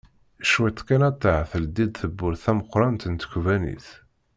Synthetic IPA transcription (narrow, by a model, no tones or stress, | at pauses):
ʃwæt̪ːkænæt̪ˤːaʕθəld̪id̪θəbːʊɾθæməqːɾˤɑnt̪ənt̪ə̥çʷvænḭθ